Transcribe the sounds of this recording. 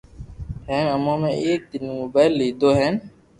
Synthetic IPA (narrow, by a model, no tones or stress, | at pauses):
hɛ̃ːnəmãːmẽːʔeːk̚d̪ɪnːmobaːɪlːiːd̪oːɦɛːn